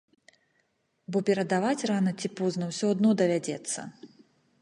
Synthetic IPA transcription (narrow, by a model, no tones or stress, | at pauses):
bɔpʲɛɾɐd̪avat͡sʲranɐt͡sʲipɔznɐwsʲɔd̪nɔd̪ɐvʲad͡zʲɛt̪sːɐ̰